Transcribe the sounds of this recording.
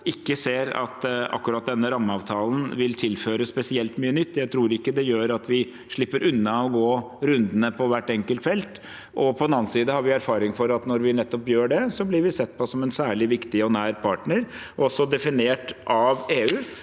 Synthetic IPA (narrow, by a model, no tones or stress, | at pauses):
ɪkːəseːɾɑ̰t̪ɑ̰kːʉɾɑt̪̚d̪ɛnːəɾɑmːəɑːʋt̪ʰɑːln̩ʋɪlt̪ʰɪlføːɾəspɛsɪɛlt̪myːənʏt̪ːjæɪt̪ʰɾuːɾɪkːəd̪ɛjøːɾɑt̪ʰʋɪ | ʂɭɪpːəɾʔʉnːɑɔɡoː | ɾʉnd̪ənəpʰɔʋæʈːɛŋkəlt̪fɛlt̪ | ʔɔpʰɔɛnɑːnsiːd̪əhɑɾʋɪæɾfɑːɾɪŋfɔɾɑt̪nɔɾʋɪnɛt̪ːɔpjøːɖɛsɔblɪɾʋɪsɛt̪ːpʰɔɔsɔmɛnsæːɭɪʋɪkt̪ɪɔnæːɾpʰɑːʈɳəɾ | ɔsːɔd̪ɛfɪneːʈʔɑʋeːʉː